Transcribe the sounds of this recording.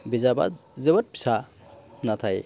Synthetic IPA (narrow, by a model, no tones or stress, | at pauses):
bizaba̰zebət̚pi̥sa | nat̪ʰaj